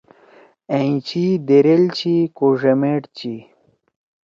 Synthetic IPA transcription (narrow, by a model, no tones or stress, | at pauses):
eĩt͡ɕid̪eɾelt͡ɕikoʐemeʈt͡ɕi